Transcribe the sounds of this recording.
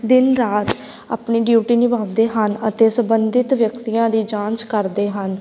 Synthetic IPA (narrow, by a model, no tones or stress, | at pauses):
d̪ɪnɾaːt̪ | a̰ːpɳiːɖjuːʈiːnibaːd̪eːɦənət̪eːsəmbənd̪ɪt̪ʋjəkt̪ijãːd̪iːd͡ʒãːnt͡ʃkəɾd̪eːɦən